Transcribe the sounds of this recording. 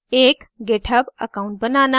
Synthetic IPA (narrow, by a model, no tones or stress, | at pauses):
ekɡeʈʰəbəkaũɳʈ̚bənaːna